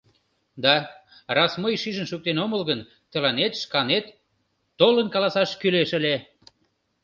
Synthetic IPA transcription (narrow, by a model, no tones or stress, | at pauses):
d̪ɑ | rɑsməjʃiʒənʃuk̚t̪enoməlɣən | t̪ə̆lɑnet̪ʃkɑnet̪ː | olənkɑlɑsɑʃkyleʃəle